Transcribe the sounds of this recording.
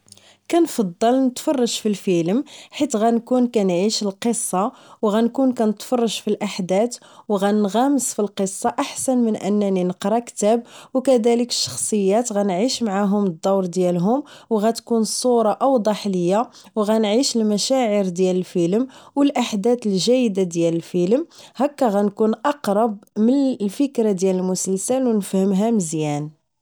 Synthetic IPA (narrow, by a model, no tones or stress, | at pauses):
kænfɑd̪ˤːɑlnət̪fɑrˤːɑʒfilfələmħit̪ɣænkunkænʕiʃəlqəsˤːɑwɣænkunkænət̪fɑrˤːɑʒfilʔaħd̪æt̪ | wɣænɣæməsfilqəsˤːɑʔaħsænmənʔə̰nːæninəqɾˤɑkt̪æb̚wkæd̪æləkə̥ʃːɑ̥xsˤəjːæt̪ɣænʕiʃmaʕaɦʊməd̪ːɑwɾˤd̪jælɦʊmwɣæt̪kunsˤuɾˤɑʔɑwd̪ˤɑħləjːa | wɣænʕiʃəlmæʃæʕəɾd̪jæləlfəlmwəlʔaħd̪æt̪əlʒæjd̪ad̪jæləlfələmhækːæɣænkunʔɑqɾˤɑb̚mənlfəkɾad̪jæləlmʊsəlsəlwnəfhəmɦæməzjæn